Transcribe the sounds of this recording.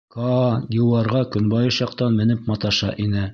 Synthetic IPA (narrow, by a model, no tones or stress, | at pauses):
kɑj̪ʲɤ̆wɑɾʁɑkɵ̆nbɑjɤʃjɑqt̪ɑnmɘ̆nɘpmɑt̪ɑʃɑʔinɘ